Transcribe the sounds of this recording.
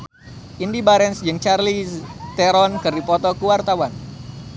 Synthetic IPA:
ʔindibaɾɛnsd͡ʒɨŋt͡ʃarlit̪ɛɾɔnkɨrdipɔt̪ɔkuwart̪awan

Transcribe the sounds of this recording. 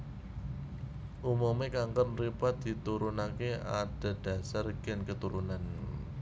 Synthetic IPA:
ʔumumekaŋkənripat̪̚d̪̥i̤t̪uɾunakea̰d̥a̤d̥ä̤sarɡ̥ɪnkət̪uɾunan

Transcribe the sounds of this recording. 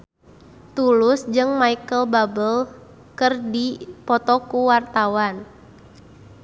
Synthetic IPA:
t̪ulusd͡ʒɨŋmaikəlbabəl | kərdipɔt̪ɔkuwart̪awan

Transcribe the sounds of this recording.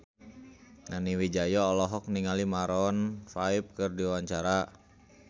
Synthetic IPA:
naniwid͡ʒajɔːlɔɦɔk̚niŋalimaɾɔnfaip̚kɨrdiwaɲt͡ʃaɾa

